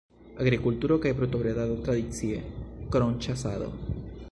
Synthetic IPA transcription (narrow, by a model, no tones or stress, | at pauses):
aɣɾikult̪uɾokajpɾut̪oβɾeðaðot̪ɾaðit͡siekɾont͡ʃasaðo̰